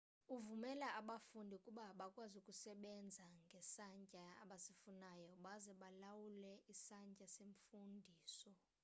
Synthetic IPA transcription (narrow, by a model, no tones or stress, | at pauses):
uvumɛlaaɓafundʱiukʼuɓaɓakʼwazukʼusɛɓɛnd͡zʱaŋɡʱɛsaɲcʼaa̰ɓasifunajɔɓazɛɓalawulɛʔisaɲcʼaseɱfundʱiːsɔ